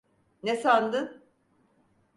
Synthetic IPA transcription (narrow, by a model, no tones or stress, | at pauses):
nesand̪ɯn